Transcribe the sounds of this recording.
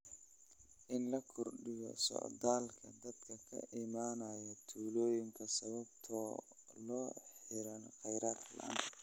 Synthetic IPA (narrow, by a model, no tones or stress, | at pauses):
ʔɪnlɐkʰɔrɖɪjɔ̰sɔ̰ʕd̪aːlkʰɐd̪ɐd̪kʰɐkʰɐ̰ʔɪmaːnɐːjɐt̪ʰuːlɔːjɪŋkʰɐsɐβɐbt̪ʰɔː | lɔːħɪɾɐnqɛjɾaːrlɐ̰n